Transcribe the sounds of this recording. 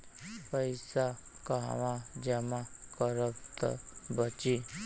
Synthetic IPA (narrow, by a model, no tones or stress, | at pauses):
pəjsakaʋãd͡ʒɛmakəɾəpt̪ə̰bət͡ʃi